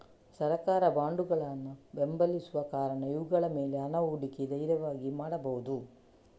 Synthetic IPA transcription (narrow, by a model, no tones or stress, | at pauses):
sɐɾɐkaːɾɐbaːɳɖuɡɐɭɐnːube̞mbɐlisuʋɐkaːɾɐɳɐjuɡɐɭɐmeːleɐnɐuːɽiked̪ɐjɾjɐʋaːɡimaːɽɐbɐɦud̪u